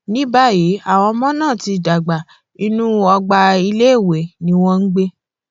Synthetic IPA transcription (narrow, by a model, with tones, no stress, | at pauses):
nĩ˨˦ba˦˨ji˨˦a˦˨w̃ɔ̃˧mɔ̃˦nãː˦˨ti˧˨da˨ɡ͡ba˨ | i˦˧nũ˦ɔ˧ɡ͡ba˧i˧le˦˨we˨nĩ˦w̃ɔ̃˧n̩˦ɡ͡be˦